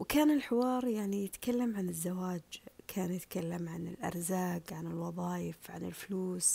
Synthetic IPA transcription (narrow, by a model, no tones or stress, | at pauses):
wkaːnɪlħɪwɑːɾˤjaʕnijɪt̪kalːamʕanɪzːawaːd͡ʒkʰaːnjɪt̪kalːamʕanɪlʔɑ̰ɾˤzaːɡʕanɪlwɑðˤɑːjɪfʕa̰nɪlfluːs